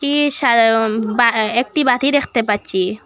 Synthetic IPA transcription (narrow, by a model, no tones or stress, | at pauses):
kiʃabaek̚ʈibat̪iɾekʰt̪epat͡ʃi